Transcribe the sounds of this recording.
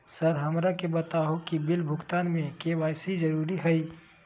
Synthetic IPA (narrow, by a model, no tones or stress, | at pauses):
səɾɦɐmɾakebət̪aɦokibɪlbʱʊkt̪aːnmẽkeʋaːjsid͡ʒəɾuːɾiɦɛi